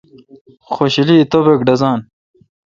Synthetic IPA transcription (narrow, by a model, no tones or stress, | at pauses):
xoɕiliːt̪obekɖɐzaːn